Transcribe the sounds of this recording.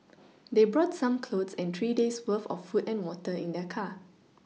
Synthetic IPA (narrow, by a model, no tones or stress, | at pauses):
debɹɔtsãmkʰlodsɛ̃ntʰɹideswəfɔ̰fːutɛ̃nwɔtəĩndɛkʰa